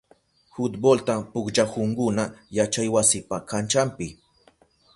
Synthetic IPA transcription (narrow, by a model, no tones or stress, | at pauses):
hʊt̪bolt̪apʊkʒakʊŋkʊnajat͡ʃajwasɪpakant͡ʃampɪ